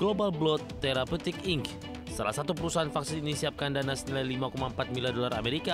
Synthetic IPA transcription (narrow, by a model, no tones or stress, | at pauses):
ɡ̥lobalblɔt̪ːeɾaput̪ikiŋk | sala̰hsat̪upəɾusaɦanfaksɪninisiap̚kandanasənilajlimakomaəmpat̪̚milardolara̰meɾika